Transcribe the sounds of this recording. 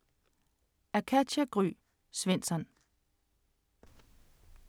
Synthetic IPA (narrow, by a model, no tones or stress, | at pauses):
æɐkʰæ̥æɡ̥ʁy̰ː | sʋen̰sɒn